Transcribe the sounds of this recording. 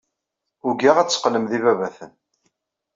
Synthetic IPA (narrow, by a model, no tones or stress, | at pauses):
ʊɡæʁæt͡sːə̥qləmðivævæθən